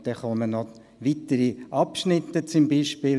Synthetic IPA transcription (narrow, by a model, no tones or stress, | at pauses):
d̥̪ɛχɔmənɔ | ʋit̪əɾiʔɑpʃnɪt̪ːət͡sʊmbiːʃpɪː